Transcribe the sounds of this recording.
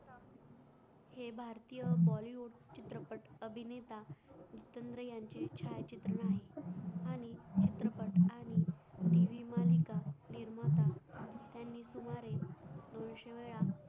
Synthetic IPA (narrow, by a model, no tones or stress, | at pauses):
hebʱaɾt̪ijəʋɔliuɽt͡ɕit̪ɾəpəʈəbʱinet̪aut̪ənd̪ɾəjaɲt͡ɕet͡ɕʰajt͡ɕit̪ɾəɳaɦeañit͡ɕit̪ɾəpəʈaɽ̃iʈiʋimalikaniɾmat̪at̪janːiːsumaɾed̪onɕeʋeɭa